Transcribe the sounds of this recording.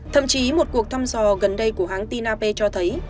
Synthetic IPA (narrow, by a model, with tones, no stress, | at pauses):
t̪ʰə̰˧˨mt͡ɕi˨˦mo˨˩t̚ku˨˩ək̚t̪ʰaː˧mzɔ˨˩ɣə˨˩nɗə˧jku˧˩əɦaː˨˦ŋt̪i˧naː˧pe˧t͡ɕɔ˧t̪ʰə˨˦j